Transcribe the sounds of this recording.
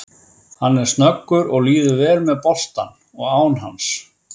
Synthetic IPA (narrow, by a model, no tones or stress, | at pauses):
hanːɛɾ̥st̪nœkːʏɾɔɣliːðʏɾvɛːlmɛðpɔst̪a̰n | ɔɣaːwnɦa̰ns